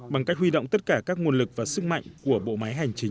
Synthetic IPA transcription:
ɓa˨˩ŋka˦˥k̟̚hwi˧ɗo̰˧˨wŋ͡mt̪t̚kaː˧˩kaː˦˥k̚ŋu˧ənlɨ˨˩k̚vaː˨˩sɨ˦˥k̚ma̰˧˨jŋku˧˩əɓo̰˧˨ma˨˦jɦa˨˩jŋ̟t͡ɕï˨˦ŋ̟

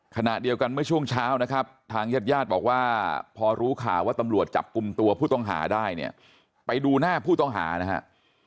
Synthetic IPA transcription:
kʰa˧na̰˨˩ʔdi˧əwka˧nmɯ˥˩ɐt͡ɕʰu˥˩əŋt͡ɕʰaː˦˥wna˦˥kʰa˦˥p̚t̪ʰaː˧ŋjaː˦˥˩t̪̚jaː˥˩t̪̚bɔː˨˩k̚waː˥˩pʰɔː˧ɾuː˦˥kʰa̰ː˨˩˦waː˥˩t̪a˧mɾu˨˩ət̪̚t͡ɕa̰˨˩p̚ku˧mt̪u˧ɐpʰuː˥˩t̪ɔ˥˩ŋɦa̰ː˩˦daː˥˩jnḭ˦˥˩ɐ | pa˧jduː˧naː˥˩pʰuː˥˩t̪ɔ˥˩ŋɦa̰ː˩˦na˦˥ha̰˦˥ʔ

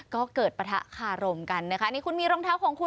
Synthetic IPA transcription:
kɔː˥˩kɤː˨˩t̪̚pa˧t̪ʰa̰˦˥ʔkʰaː˧˩ɾo˧mka˧nːa˦˥kʰa˦˥ʔniː˦˥˩kʰu˧nmiː˧ɾoː˧ŋt̪ʰaː˦˥˩wkʰɔː˨˦ŋkʰu˧

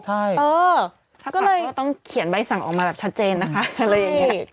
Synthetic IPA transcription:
t͡ɕʰa˥˩jʔɤː˧ | t̪ʰa˥˩kɔː˥˩lɤː˧kɔː˥˩t̪ɔ˥˩ŋkʰi˩˦ənba˧jsa˨˩ŋʔɔ̰ː˨˩k̚maː˧bɛː˨˩p̚t͡ɕʰt̪̚t͡ɕeː˧nːa˦˥kʰa˦˥a˧ɾa˧ja˨ŋi˦˥

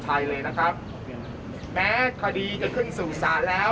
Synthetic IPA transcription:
t͡ɕʰa˧jlɤː˧jna˦˥kʰɾa˦˥p̚ | mɛː˦˥kʰa˧diː˧t͡ɕa˧kʰɯ˥˩nsuː˨˩saː˩˦nlɛː˦˥

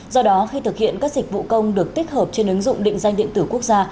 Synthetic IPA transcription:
zɔ˧ɗɔ˨˦xi˧t̪ʰɨ˨˩k̚hḭ˧˨ənkaː˦˥k̚zi˨˩k̟̚vṵ˧˨kə˧wŋ͡mɗɨ˨˩ək̚t̪i˦˥k̚həː˨˩p̚t͡ɕe˧nʔɨ˨˦ŋzʊ̰˧˨ŋ͡mɗḭ˧˨ŋ̟za˧jŋ̟ɗḭ˧˨ənt̪ɨ˧˩ku˦˥ək̚zaː˧

